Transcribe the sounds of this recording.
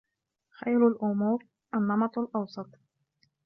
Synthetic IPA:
xajɾalʔʊmuːɾ | ʔanːɑmɑt̪ˤalʔɑwsˤɑt̪ˤ

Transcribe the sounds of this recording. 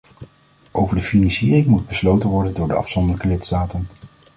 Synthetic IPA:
ʔowvəɹdəfinɑnsiːrɪŋmud̚bəslowtənʋɔɹdəndʊːɹdəɑ̰fsɔndəɹləkəlɪtstaːtən

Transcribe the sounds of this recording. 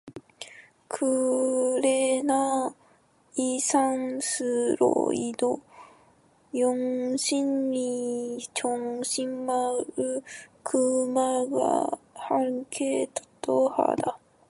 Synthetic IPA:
kʰɯɾena | isãnsɨɾo̰id̪o | jõŋɕĩnːit͡ɕõŋɕĩmmaɾɯkʰɯmaɡa̰hakʰet̪ḁt̪oha̰d̪a

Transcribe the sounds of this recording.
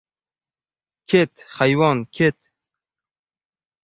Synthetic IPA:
kʰet̪xajwɑːnkʲʰet̪̚

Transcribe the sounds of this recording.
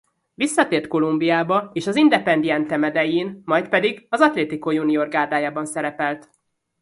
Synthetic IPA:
visːɒt̪eːrt̪ko̞lumbiaːbɒeːʃɒzind̪ɛpɛnd̪iɛnt̪ɛmɛd̪ɛjiːnmɒjt̪pɛd̪iɡɒzɒt̪leːt̪ikojunioːrɡaːrd̪aːjaːbɒnsɛɾɛpɛlt̪

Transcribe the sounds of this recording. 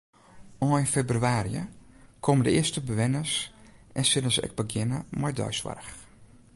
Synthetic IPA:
ɔjnfebrɥaːɾḭə̰kʰomdəɪəstəbəʋɪnəsʔɛnsɪnəzəʔɛ̰k̚bəɡjɪnəmɔjdɔ̰jsʋa̰rx

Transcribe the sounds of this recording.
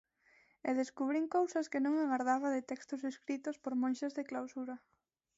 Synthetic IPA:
eðeskuβ̞ɾiŋkowsaskɪnõŋaɣaɾðaβaðɪt̪ɛkst̪ʊseskɾit̪ʊspoɾmõnʃezðɪklawsuɾa

